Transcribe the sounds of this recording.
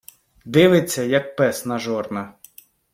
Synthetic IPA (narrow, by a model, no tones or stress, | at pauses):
d̪ɪʋɪt͡sʲːɐjɐk̚pɛsnɐʒɔrnɐ